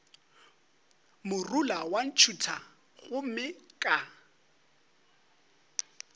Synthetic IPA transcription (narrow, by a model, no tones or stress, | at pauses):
mʊrulawan̩t͡ʃʰutʰa | ɣʊm̩mɪkʼa